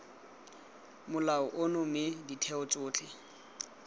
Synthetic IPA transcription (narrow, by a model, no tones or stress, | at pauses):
mʊlaʊʔʊnʊmɪditʰɛʊt͡sʼʊːt͡ɬʰʼɪ